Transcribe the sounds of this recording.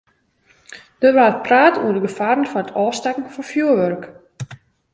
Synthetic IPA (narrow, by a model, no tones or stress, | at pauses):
d̥əʋaːt̚praːtṵədəɡəfaɾənfɔnətʰɔːstɛkŋ̩fɔnfjuəʋørk